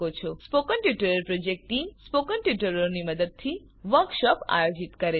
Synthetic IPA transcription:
ot͡ʃʰospokənʈiʈəɾəɾpɾod͡ʒek̚ʈʈimspokənʈiʈəɾoniməd̪əd̪̚t̪ʰi | ʋəɾkʃɔpa̰jod͡ʒit̪kəɾe

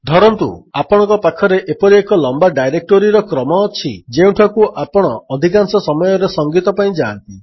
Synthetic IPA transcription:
d̪ʱɔɾɔnt̪ṵapɔɽ̃ɔ̃ŋkɔpakʰɔɾeʔepɔɾiekɔlɔmbaɖajɾek̚ʈoɾiɾɔkɾɔmɔːt͡ʃʰid͡ʒeũʈʰɔkuʔapɔɽ̃ɔːd̪ʱikansɔsɔmɔjɔɾesɔŋɡit̪ɔpaĩd͡ʒaːnt̪i

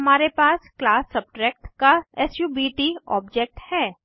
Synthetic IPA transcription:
ɐmaːɾepaːsklaːsːɐb̚ʈɾɛːk̚ʈkaɛsjubiːʈiɔ̰ːbd͡ʒek̚ʈhɛː

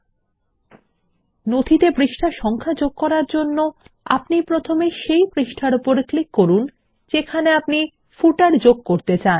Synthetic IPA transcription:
nod̪ʱit̪ebɾiʃʈʰaʃɔŋkʰad͡ʑoɡ̚kɔɾaɾd͡ʑonːo | a̰pnipɾot̪ʰomeʃejbɾiʃʈʰaɾupoɾklikːoɾun | d͡ʑekʰaneapni | fuʈaɾd͡ʑoɡ̚koɾt̪et͡ɕan

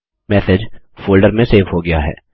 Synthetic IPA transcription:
mɛːsɪd͡ʒfoːlɖəɾmẽseːfɦoɡɐjaɦɛ̰ː

